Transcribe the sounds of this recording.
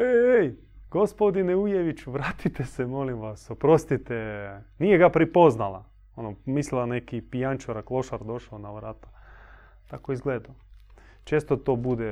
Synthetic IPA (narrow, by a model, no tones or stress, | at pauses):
eej | ɡ̥ospod̪ineujeʋit͡ʃuʋɾaːt̪it̪esemolimʋasopɾost̪it̪enijeɡapɾipo̞znalˠa̰ | onomislilˠanekipijant͡ʃoɾaklˠo̞ʃaɾd̪o̞ʃaonaʋɾaːt̪ḁ | t̪akoizɡleːd̪a | t͡ʃeːst̪ot̪oːbud̪e